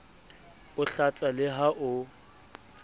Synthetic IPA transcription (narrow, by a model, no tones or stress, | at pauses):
ʊɬat͡sʼalɪɦaʔʊ